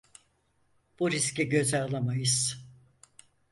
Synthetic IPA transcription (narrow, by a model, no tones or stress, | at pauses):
b̥uɾiscɛɟø̞zalˠamajɯz̥